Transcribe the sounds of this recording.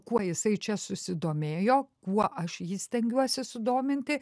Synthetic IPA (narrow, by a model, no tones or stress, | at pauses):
kuɔjɪsɐɪt͡ʃʲɛsʊsʲɪd̪oːmʲeːjoːkuɔʔɐʃjiːsʲt̪ʲɛŋʲɡʲuɔsʲɪsʊd̪oːmʲɪnʲt̪ʲɪ